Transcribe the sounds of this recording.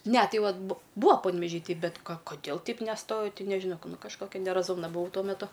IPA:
nʲɛ ˈtɐɪ ˈʋɐt bʊ ˈbʊɐ pɐnʲʋʲɛˈʒʲiː ˈtʲɛɪ ˈbʲɛt ˈkɐ koːˈdʲeːlˠ ˈtʲɛɪp nʲɛˈstoːjɛʊ ˈtʲɪ nʲɛʒʲɪˈnɐʊ ˈnʊ kɐʃˈkoːkʲɛ nʲɛrɐˈzʊmnɐ bʊˈɐʊ ˈtuɔ mʲɛˈtʊ

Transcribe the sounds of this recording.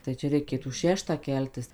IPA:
tɐɪ ˈt͡ʃʲɛ rʲɛɪˈkʲeːtuː ˈʃʲæːʃtɑː ˈkʲɛlʲtʲɪs

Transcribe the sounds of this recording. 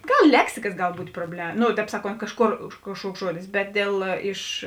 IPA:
ˈɡɐlˠ ˈlʲæːksʲɪkɐs ˈɡɐlˠ ˈbuːtʲ proːbʲlʲɛ ˈnoː tʲɛːp ˈsɑːˌkoːnt ˈkɑːʃˌkoːr ʊʃ ˈkɑːʃˌkuɔks ˈʒuɔdʲɪs ˈbʲɛt dʲeːlˠ ˈɪʃ

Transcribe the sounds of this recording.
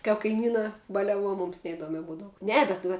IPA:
kɐp kɐɪˈmʲiːnɑː bɐlʲɛˈʋuɔ ˈmʊms nʲɛɪˈduɔmʲɛ ˈbuːdɐʋʊ ˈnʲɛ bʲɛt ˈʋɐ

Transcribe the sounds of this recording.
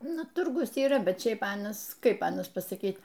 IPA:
ˈnʊ ˈtʊrɡʊs iːˈrɐ ˈbʲɛt ˈʃʲɛɪp ˈɑːnɐs ˈkɐɪp ˈɑːnɐs pɐsɐˈkʲiːt

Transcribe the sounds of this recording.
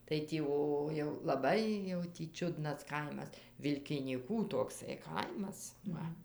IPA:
tɐɪ tʲiː ˈoː jɛʊ lˠɐˈbɐɪ jɛʊ tʲiː ˈt͡ʃʲʊdnɐs ˈkɐɪmɐs ʋʲɪlʲkʲɪnʲiːˈkuː toːkˈsɐɪ ˈkɐɪmɐs ˈʋɐ

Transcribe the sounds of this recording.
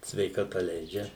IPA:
sʲʋʲɛɪkɐˈtɐ ˈlʲɛɪd͡ʒʲɛ

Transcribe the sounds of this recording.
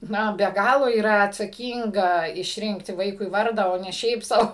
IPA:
ˈnʊ bʲɛ ˈɡɑːlˠoː iːˈrɐ ɐtsɐˈkʲiːŋɡɐ ɪʃʲˈrʲɪŋktʲɪ ˈʋɐɪkʊɪ ˈʋɐrdɑː oː ˈnʲɛ ˈʃʲɛɪp sɐʊ

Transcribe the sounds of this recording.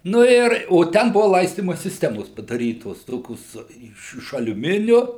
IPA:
ˈnʊ ɪr oː ˈtʲɛn ˈbʊʋɐ ˈlˠɐɪsʲtʲiːmɐ sʲɪsʲˈtʲæːmoːs pɐdɐˈrʲiːtoːs ˈtoːkʲoːs ˈɪʃ ɪʃ ɐlʲʊˈmʲɪnʲʊ

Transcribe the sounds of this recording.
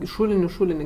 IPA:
ɪ ˈʃuːlʲɪnʲʊ ˈʃuːlʲɪnʲɪ

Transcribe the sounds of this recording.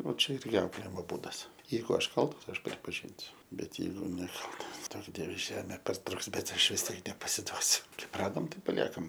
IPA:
oː ˈt͡ʃʲɛ ˈɪrʲɡʲɪ ˈɐʊklʲeːjɪmoː ˈbuːdɐs ˈjɛɪɡʊ ˈɐʃ ˈkɐlˠtɐs ˈɐʃ pʲrʲɪpɐˈʒʲɪnʲsʲʊ ˈbʲɛt ˈjɛɪɡʊ nʲɛˈkɐlˠtɐs ˈduɔk ˈdʲiɛʋʲɛ ˈʒʲæːmʲeː pɐrˈtrʊks ˈbʲɛt ˈɐʃ ʋʲɪs ˈtʲiɛk nʲɛpɐsʲɪˈduɔsʲʊ ˈkɐɪp ˈrɑːdoːm ˈtɐɪp pɐˈlʲiɛkɐm

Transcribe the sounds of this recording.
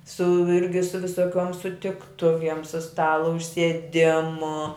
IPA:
sʊ ˈɪrʲɡʲɪ sʊ ʋʲɪsoːˈkʲuɔm sʊtʲɪkˈtʊʋʲiɛm sʊ ˈstɑːlˠoː ʊʃʲsʲiɛˈdʲɪmʊ

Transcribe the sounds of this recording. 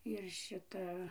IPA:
ɪr ˈʃʲɪtɐ

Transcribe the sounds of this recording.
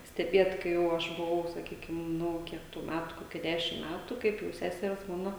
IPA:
sʲtʲɛˈbʲiɛt kɐɪ ˈjɛʊ ɐʃ bʊˈʋɐʊ sɐˈkʲiːkʲɪm ˈnʊ ˈkʲiɛk tuː ˈmʲætʊ ˈkoːkʲɛ ˈdʲæːʃʲɪm ˈmʲætʊ ˈkɐɪp jɛʊ ˈsʲæːsʲɛrʲɛs ˈmɑːnɐ

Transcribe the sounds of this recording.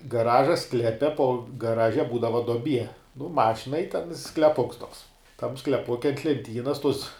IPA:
ɡɐˈrɑːʒɐ ˈsklʲæːpʲɛ poː ɡɐˈrɑːʒʲɛ ˈbuːdɐʋɐ doːˈbʲiɛ nʊ ˈmɑːʃʲɪnɐɪ ɪ tʲɛn sklʲɛˈpʊks tuɔks tɐm sklʲɛˈpʊkʲɛ ɐnt lʲɛnʲˈtʲiːnɐs tʊs

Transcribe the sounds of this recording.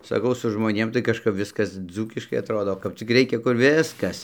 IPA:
sɐˈkɐʊ sʊ ʒmoːˈnʲeːm tɐɪ kɐʃˈkɐp ˈʋʲɪskɐs ˈd͡zuːkʲɪʃkɐɪ ɐtˈroːdoː kɐp ˈt͡sʲɪk ˈrʲɛɪkʲɛ kʊr ˈʋʲɪskɐs

